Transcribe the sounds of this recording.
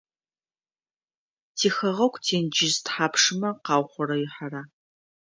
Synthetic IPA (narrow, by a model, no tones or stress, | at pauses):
tʰiːxɐʁɐkʷʰtʰeːnd͡ʒɪztħaːpʂɨmɐqɑːwχʷɔɾɐɥɪħaɾaː